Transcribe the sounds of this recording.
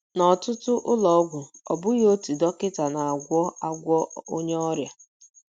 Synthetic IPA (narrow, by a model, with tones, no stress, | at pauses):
nɔ˨tʊ˦tʊ˦ʔʊ˦lɔ˨ɔ˦ɡʷʊ˨ɔ˨bʊ˦jo˦ti˨dɔ˦kɪ˦ta˨na˨a˨ɡʷɔ˦a˦ɡʷɔ˦o˦ɲe˦ɔ˦ɾja˨